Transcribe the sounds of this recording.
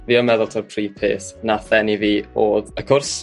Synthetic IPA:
viːɔmɛðʊlˠtʰɔrpʰriːpʰḛːθnaθɛniviːoːðəkʰʊrs

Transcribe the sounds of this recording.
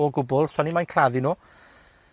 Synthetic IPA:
ɔɡʊbɔlˠswanimajnkʰl̥aðinuː

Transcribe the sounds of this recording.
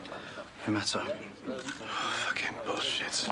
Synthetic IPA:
nəmatʰə | fʌkʰɪ̃ŋbɔʃɪt

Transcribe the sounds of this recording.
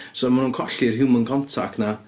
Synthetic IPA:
somanuːnkʰɔɬɪrɦɪmənkʰɔntʰa̰kna

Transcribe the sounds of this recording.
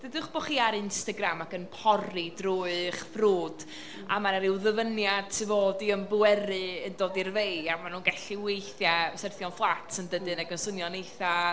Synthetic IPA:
d̥ədɨχb̥oχiːaɾɪnstaɡramakənpʰɔridrʊɨχfruːd̥ | a̰manɛɾɪwðəvənjad̥̚tʰɪvoːdiəmbuɛɾɨəndoːdirvejamanuːnɡaɬiwejθjasərθjɔnflˠatʰəndədɨnaɡənsənjɔnejθa

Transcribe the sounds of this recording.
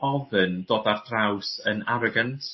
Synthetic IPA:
ɔðənd̥oːdardrawsənaɾɔɡantʰ

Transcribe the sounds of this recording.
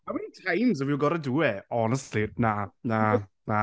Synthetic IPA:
mawintʰajnz̬ɔviwɡɔɾaduːɛɔnɛstlinana | na

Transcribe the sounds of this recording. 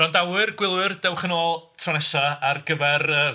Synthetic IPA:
rɔndawɨrɡwɪlˠwɨrdɛwχənoːlˠtʰrɔnɛʃaarɡ̥əvɛrəː

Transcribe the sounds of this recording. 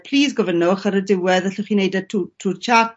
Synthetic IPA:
pʰl̥iːsɡɔvənʊχəɾədɪwɛðəɬʊχinejdətʰutʰuːrt͡ʃʰa

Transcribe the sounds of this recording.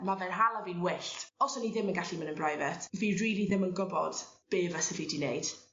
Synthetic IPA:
mavɛnɦalˠavinwɪɬtɔsɔniðɪmənɡaɬimənənbrajvɛtʰviriːɾiðɪmənɡɔbɔd̥b̥eːvəsɛvidinejd̥

